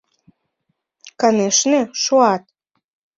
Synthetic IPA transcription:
kəneʃneʃoɑt̪̚

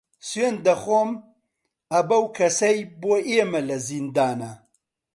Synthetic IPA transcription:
swend̪ɐxom | ɐbɐwkʰɐsɐjboʔeːmɐlɐzind̪aːnɐ

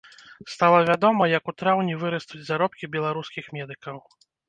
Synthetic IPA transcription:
st̪alˠɐvʲad̪ɔmɐjɐkut̪ɾawnʲivɨɾɐst̪ud͡zʲzaɾɔp̚kʲibʲɛlˠaɾuskʲixmʲɛd̪ɨkɐw

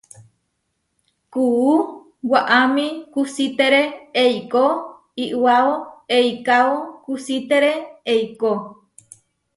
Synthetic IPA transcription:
kuː | waʔamĩkusit̪eɾeejko | iʔwaoejkaokusit̪eɾeejko

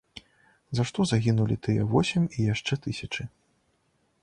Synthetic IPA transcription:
zaʂt̪ɔzaɣʲinulʲit̪ɨjɛ̰vɔsʲɛmʲijaʂt͡ʂɛt̪ɨsʲɐt͡ʂɨ

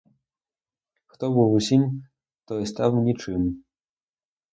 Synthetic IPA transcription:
xt̪ɔbɨwusʲimʲ | t̪ɔst̪awnʲit͡ʂɨm

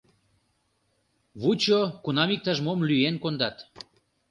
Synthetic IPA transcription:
βut͡ɕokunɑmik̚t̪ɑʒmomlyenkond̪ɑt̪

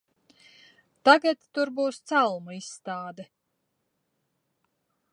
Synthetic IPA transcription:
t̪aɡat̪ːuɾbuːst̪salˠmuisːt̪aːd̪ɛ

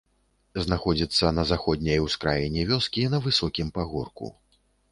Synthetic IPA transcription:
znaxɔd͡zʲit̪sːɐnɐzaxɔd̪ʲnʲɐjwskɾajinʲɛvʲɔskʲinɐvɨsɔkʲimpaɣɔrkṵ

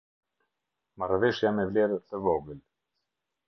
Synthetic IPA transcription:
marviʃjamɛvliɾt̪əvɔɡəl

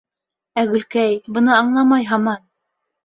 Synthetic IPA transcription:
æɡɵ̆lkæjbɤ̆nɤɑɴlˠɑmɑjɦɑmɑn

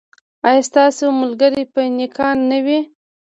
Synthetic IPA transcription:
ɑjɑst̪ɑsemʊlɡaɾipənɪkʰɑnːəwi

